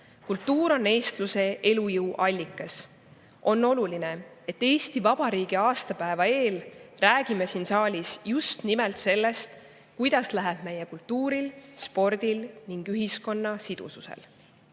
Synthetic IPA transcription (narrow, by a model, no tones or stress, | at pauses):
kult̪ːuːɾo̞nːe̞ːst̪luse̞ʔe̞lujɯwʔɑlʲːikːˑɑs | ʔo̞nːo̞luline̞ | e̞t̪ːe̞ːst̪ivɑb̥ɑɾiːɡ̥iɑːst̪ɑpæevɑe̞ːlræːɡ̥imesinsɑːlʲisjust̪nimelt̪se̞lːe̞st̪ | kujd̪̥ɑslæɦeb̥̚me̞jekult̪ːuːɾilspo̞rd̪̥ilniŋɡ̥yɦisko̞nːɑsid̪̥ṵsusḛl